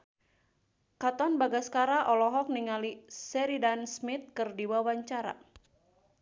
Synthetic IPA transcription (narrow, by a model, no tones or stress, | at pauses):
kat̪ɔnbaɡaskaɾaʔɔlɔɦɔk̚niŋalisɛɾidansmit̪̚kɨrdiwawaɲt͡ʃaɾa̰